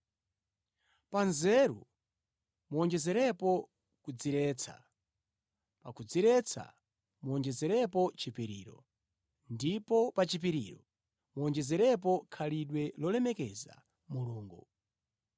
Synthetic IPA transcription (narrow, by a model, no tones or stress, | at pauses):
panzɛɾṵ | muɔnd͡ʒɛzɛɾɛpɔ | kud͡ziɾɛːt͡sʰa̰ | pakud͡ziɾɛt͡sʰa̰ | muɔnd͡ʒɛzɛɾɛpɔt͡ʃipiɾḭːɾɔ̰ | ndipɔpat͡ʃip̬iɾiɾɔ | muɔnd͡ʒɛzɛɾɛp̬ɔkʰaliɗwɛlɔlɛmɛkɛza̰ | muluːŋɡu